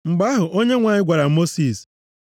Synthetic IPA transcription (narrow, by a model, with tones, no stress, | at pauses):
ŋ͡m̩˨ɡ͡ba˦ɦʊ˨ʔo˦ɲe˦ŋʷa˨ɲɪ˦ɡʷa˨ɾa˨˦mo˦si˨s